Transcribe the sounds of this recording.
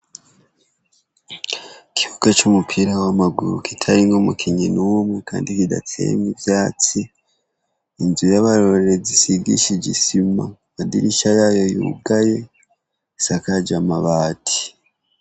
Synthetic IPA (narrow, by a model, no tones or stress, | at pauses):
kʰi̥hukat͡ʃumupʰiɾawamaɡuɾṵkitʰaɾiŋɡomukʰiɲinuwumweka̰ːndikida̰t͡sḛmivjaːt͡si | nzujaβaɾoɾeɾezisiɡḭʃiɟisima̰madḭɾiʃajajo̞jṵɡaje̞ | sakad͡ʒamaβaːtʰi̥